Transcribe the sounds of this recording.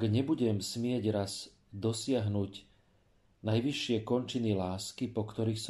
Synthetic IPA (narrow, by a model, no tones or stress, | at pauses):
ɡɲɛbuɟɛmsmɪɛɟɾaz | d̪ɔsɪaɦnuɟ | najʋiʃːɪɛkɔnt͡ʃinilaːskipɔkt̪ɔɾiːxs